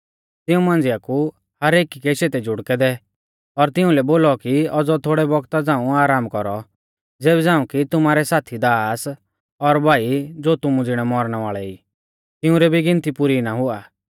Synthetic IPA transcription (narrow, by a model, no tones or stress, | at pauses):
t̪ɪũmãːnd͡zɪjaku | hɐɾeːkikɛʃeːt̪ɛd͡ʒʱʊɽkɛd̪ɛ | ɔɾt̪ɪ̃ũlɛboːlɔkiɔd͡zɔt̪ʰoːɽɛbɔɡt̪ad͡zãːũaːɾaːmkɔɾɔ | d͡zeːbɛd͡zãːũkit̪ʊmaːɾɛsaːt̪ʰid̪aːs | ɔɾbʱaːid͡zoːt̪ʊmũd͡zɪɽ̃ɛmɔɾɽ̃ɛʋaːɭɛiː | t̪ɪʊ̃ɾɛbiɡɪ̃nt̪ipʊɾinaɦʊaː